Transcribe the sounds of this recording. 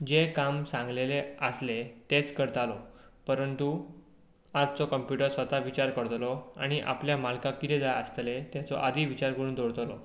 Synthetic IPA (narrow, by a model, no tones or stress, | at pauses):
d͡ʑekamsãŋɡleleəslet̪et͡skəɾt̪alɔpəɾənt̪u | ad͡zt͡sɔkəmpjuʈəɾsʋət̪aʋit͡ɕaɾkəɽt̪lɔa̰ɽ̃iʔa̰pljamalkãkit̪ed͡zaəst̪let̪jat͡sɔ̰ʔad̪ʱiːʋit͡ɕaɾkəɾuːnd̪oɽt̪lɔ